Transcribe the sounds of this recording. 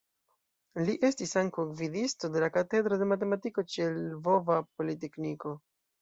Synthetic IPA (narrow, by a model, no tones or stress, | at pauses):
liʔe̞stisaŋkowvidisto̞de̞lakate̞d̪ɾo̞de̞mat̬e̞matiko̞t͡ʃielvo̞vapo̞lite̞kniko̞